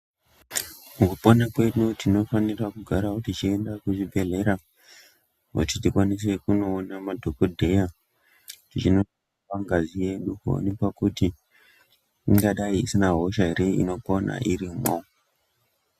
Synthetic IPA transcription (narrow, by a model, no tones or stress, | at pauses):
mukupo̞nakwe̞notino̞fanirakuɡʱaɾautit͡ʃie̞ndakuʐibʱe̞ɮe̞ɾa | ṵtitikwanis̬e̞kuno̞ːnamadʱokodʱe̞ja | tit͡ʃino̞a | akaŋɡazije̞ɗukuo̰nipakuti | iŋɡaɗaiisinaɦo̞ʃaeɾeḭno̞po̞na̰ʔiɾimo